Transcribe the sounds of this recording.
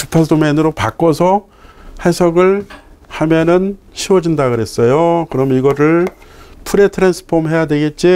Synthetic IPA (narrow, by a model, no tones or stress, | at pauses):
tʰupʰadomenɯɾopak͈ʌsʰʌ | hesʰʌɡɯɭhamjʌnɯn | ɕʰiwʌd͡ʑindaɡɯɾe̞s͈ʌjokɯɾʌmiɡʌɾɯɭpʰuɾetʰɯɾensʰɯ̥pʰomɦe̞jadwe̞ɡe̞t̚t͡ɕ͈i